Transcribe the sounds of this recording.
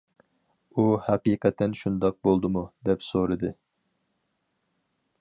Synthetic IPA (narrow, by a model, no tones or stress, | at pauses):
uhæqiqʰɛt̪ʰːɛnʃund̪ɑq̚bolˠd̪ɨmud̪ɛpsoɾɨd̪ɨ